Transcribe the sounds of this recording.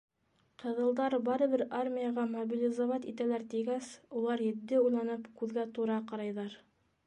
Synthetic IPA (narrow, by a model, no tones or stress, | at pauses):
qɤ̆ðɤ̆lˠd̪ɑɾbɑɾɤ̆βɘɾarmʲijɑʁɑmobʲilʲɪzovɑt̪it̪ælæɾt̪iɡæsulˠɑɾjɘ̆ðːɘujlˠɑnɤpkʉðɡæt̪uɾɑqɑɾɑjðɑɾ